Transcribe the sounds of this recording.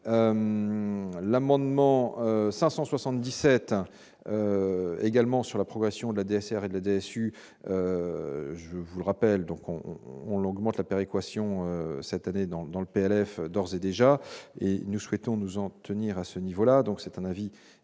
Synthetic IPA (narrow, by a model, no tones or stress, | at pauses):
øm | lamɑ̃d̪mɑ̃øsɛ̃sɑ̃swasɑ̃t̪̚d̪isɛt̪ | øeɡalmɑ̃syʁlapχɔɡʁɛsjɔ̃d̪əlad̪eɛsɛʁed̪əlad̪eɛsy | ø | ʒəvulʁapɛld̪ɔ̃kʰɔ̰̃ːnɔɡmɑ̃t̪lapeʁekwasjɔ̃øsɛt̪aned̪ɑ̃d̪ɑ̃ləpeɛlɛfd̪ɔʁzed̪eʒaḛnuswɛt̪ɔ̃nuzɑ̃t̪əniʁasənivolad̪ɔ̃ksɛt̪ɛ̃navi